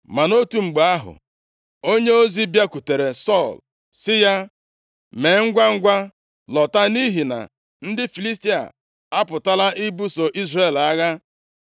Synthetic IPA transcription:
ma˨no˦tu˨ŋ͡m̩˨ɡ͡ba˨a˦ɦʊ̰˨ | o˦ɲe˦o˦zi˦bja˦ku˨te˨ɾe˨sɔ˦˨l | sɪ˦ja˦ | me˨˦ŋ̩˦ɡʷa˦ŋ̩˦ɡʷa˦ | lɔ˨ta˦ni˦ɦi˨na̰˨ | n̩˦dɪ˦fi˨li˦s̬ti˦a̰˨ | a˦pʊ˨ta˦la˦ʔi˦bu˦so˨ʔi˦zre˨la˦ɣa˦

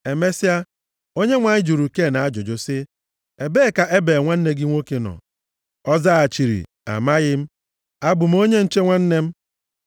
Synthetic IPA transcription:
e˨me˦si˦a˦ | o˦ɲe˦ŋʷa˨ɲɪ˦d͡ʒu˨ɾu˨ke˦˨na˨a˦d͡ʒo˨d͡ʒo˨sɪ˦ | e˨beː˦˨ka˨ʔe˦be˨ŋʷa˦n̩˦ne˦ɡɪ˦ŋʷo˦ke˨nɔ̰˨ | ɔ˦za˦a˨t͡ʃi˨ɾḭ˨ | a̰˨ma˦ɣɪ˦m̩˦ | a˦bʊ˨m̩˦o˦ɲe˦n̩˦t͡ʃe˦ŋʷa˦n̩˦ne˦m̩˦

